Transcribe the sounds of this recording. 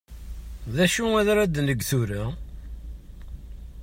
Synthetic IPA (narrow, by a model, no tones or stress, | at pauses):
ðæʃuæðɾæd̪nəɡθuɾə